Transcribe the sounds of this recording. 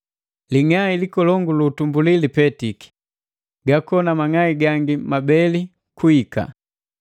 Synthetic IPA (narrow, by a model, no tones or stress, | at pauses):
liŋailikɔlɔŋɡuluːtumbulilipɛtiki̥ | ɡakɔnamaŋaiɡaŋɡimabɛli | kuika̰